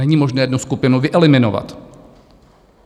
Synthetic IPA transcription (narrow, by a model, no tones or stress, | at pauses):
ɛɲiːmo̞ʒnɛːjɛd̪nuskupɪnuvɪʔɛlɪmɪnova̰t̪